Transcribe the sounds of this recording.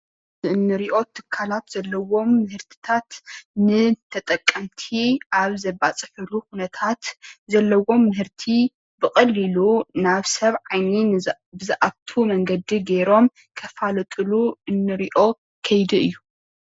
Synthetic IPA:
ɨɨnːɨɾiʔo̞t̪ʰɨ̥kʰːalat̪z̥ɐlːɐwo̞mːɨhɨɾt̪ʰɨ̥t̪ʰat̪nɨt̪ʰɐt̪ʼɐkʼːɐmt̪ʰiʔaβzɐbat͡sʼɨħɨlukunɐt̪ʰat̪zɐlːɐwo̞mːɨhɨɾt̪ʰi | bɨxʼɐlːilunaβsɐβʕajni | bɨzɐʔaβt̪ʰumɐŋɡɐd̪iɡeɾo̞m | kʰɐfalt̪ʼɨluʔɨnːɨɾiʔo̞ | kʰɐjd̪iɨjːu

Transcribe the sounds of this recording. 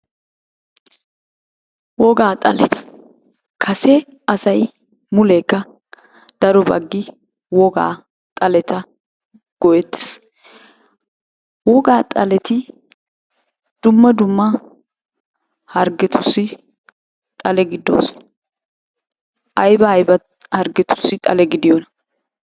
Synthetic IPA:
wɔɡaːt̪ʼɐlɛt̪ɐ̥ | kʰɐsɛ | ɐsɐj | mʊleːkːɐ | d̪̥ɐɾɔbɐ̰ɡːɪ | wɔɡa̰ː | t̪ʼɐlɛt̪ɐ | ɡ̥ɔjɛt̪ːɪ̥s | wɔɡaːt̪ʼɐlɛt̪ɪ | d̪̥ʊmːɐd̪ʊmːɐ | hɐɾɡɛt̪ʰʊsːɪ | t̪ʼɐlɛɡɪd̪ːo̰ːsɔ̥ | ʔɐjbɐɐjbɐ | hɐɾɡɛt̪ʊ̥sːɪt̪ʼɐlɛɡɪd̪ɪjɔnɐ

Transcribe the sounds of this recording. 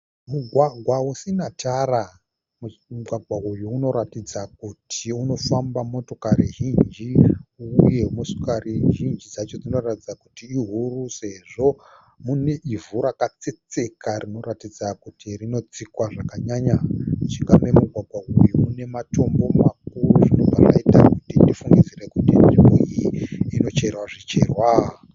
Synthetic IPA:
muɡʱwaɡʱwausinatʰara | mmuɡʱwaɡʱwaujuuno̞ɾatid͡zakutʰiuno̞fambamo̞to̞kariɦind͡ʒiuje̞mosu̥kariʒind͡ʒid͡zat͡ʃo̞d͡zino̞ratid͡zakutiːɦuruse̞ʐo̞ | mune̞ʔivuɾakat͡se̞t͡se̞karimoɾatid͡zakutirino̞d͡zikwaʐakaɲaɲat͡ʃiŋɡame̞muɡʱwaɡʱwaʔujumune̞mato̞mbo̞mak̚uruʐino̞vʱaʐa̰ita̰kutindifuŋɡid͡zirekutind͡ʒimujiino̞t͡ʃe̞rwaʐit͡ʃe̞rwa

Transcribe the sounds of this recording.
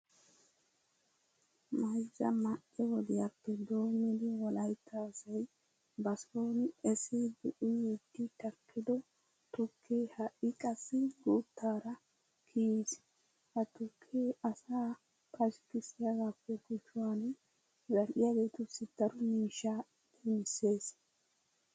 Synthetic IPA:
mɐjzɐ̰mɐʔɛwɔd̪ɪjɐpːɛd̪o̞ːmɪd̪ɪwɔlɐjt̪ʰːaːsɐj | bɐsloːnɛsɪd̪ʊʔʊjid̪ːɪt̪ɐkʰːɪd̪ɔ | t̪ʊkʰːeːhɐʔɪkʼɐsːɪɡuːt̪ːaːɾɐ | kʰis | hɐt̪ʊkʰːeɐsaː | pʰʼɐʃkɪsɪjaɡaːpːɛkʊt͡ʃːʊwan | zɐɾʔɪjaɡe̞ːt̪ʊsɪd̪̥ɐɾɔmiːʃːa | d̪ɛmɪsːe̞ːs

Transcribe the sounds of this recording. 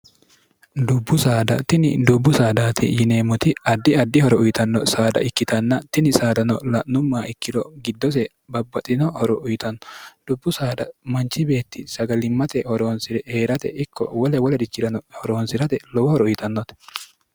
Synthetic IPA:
d̪ʊbːʊsaːd̪ɐ̰t̪ɪnɪd̪ʊbːʊsaːd̪aːt̪ʰɪ̰jɪne̞ːmʊt̪ɪɐd̪ːɪɐd̪ːɪhɔɾɔʊjɪt̪ɐnːɔsaːd̪ɐ̰ʔɪkːɪt̪ɐnːɐt̪ɪnɪsaːd̪ɐnɔlɐnʊmːaːɪkːɪd̪ɔɡɪd̪ːɔs̬ɛ | bɐbːɐt̪ʼɪnɔhɔɾɔʔʊjt̪ɐnːɔ̥d̪̥ʊbːʊsaːd̪ɐ̰mɐnt͡ʃːɪbe̞ːt̪ːɪsɐɡɐlɪmːɐt̪ɛhɔɾo̞ːnsɪɾɛheːɾɐt̪ɛ̰ʔɪkʰːɔ̰wɔlɛwɔlɛd̪ɪt͡ʃːɪɾɐnɔhɔɾo̞ːnsɪɾɐt̪ɛlɔwɔhɔɾɔʊjɪt̪ɐnːɔt̪ɛ̥

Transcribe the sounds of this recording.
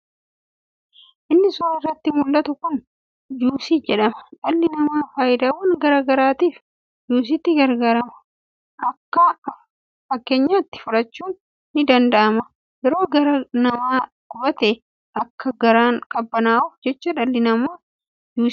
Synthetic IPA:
ʔɪnːɪsʊaːɪrːɐt̪ːɪmʊlːɐt̪ʊkʊn | d͡ʒuːsiːd͡ʒɛᶑɐmɐ̥ᶑɐlːɪnɐmaːfaːjɪd̪aːwɐnɡɐɾaːɡɐɾaːt̪iːf | juːs̬ɪt̪ːɪɡɐɾɡaːɾɐmɐ̥ | ʔɐkːɐ | fɐkːe̞ːɲːaːɪt̪ːɪ̥fʊɾɐt͡ʃːuːnː | ɪd̪ɐnd̪ɐʔɐmɐ | jɛɾo̞ːɡɐɾɐnɐmaːkʊbɐt̪eː | ʔɐkːɐɡɐɾaːŋkʼɐbːɐnaːʊfd͡ʒɛt͡ʃːɐᶑɐlːɪnɐmaː | d͡ʒuː

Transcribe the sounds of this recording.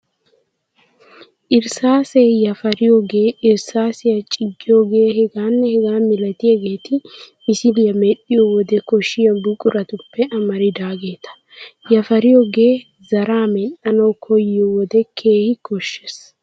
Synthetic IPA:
ʔɪɾsaːsejɐfɐɾɪjoːɡe̞ːʔɪɾsaːsɪjɐt͡ʃʼɪɡːɪjoːɡe̞ːhɛɡaːnːɛhɛɡaːmɪlɐt̪ɪjɐɡe̞ːt̪ɪmɪsɪlɪjɐmɛɗːɪjowɔd̪ɛkɔʃːɪjɐbʊkʼʊɾɐt̪ʊpːɛʔɐmɐɾɪd̪aːɡe̞ːt̪ɐ̥ | jɐfɐɾɪjoːɡe̞ː | zɐɾaːmɛɗɐnɐwkʰɔjɪjowɔd̪ɛkʰe̞ːhɪkʰɔʃːes

